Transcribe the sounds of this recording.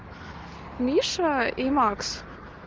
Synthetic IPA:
mʲiʃaemɑks

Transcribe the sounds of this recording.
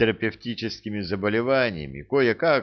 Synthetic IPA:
ɪɾəpʲɪftʲit͡ɕɪskʲɪmʲɪzəbəlʲɪvanʲɪjə̰mʲɪ̰kojəka

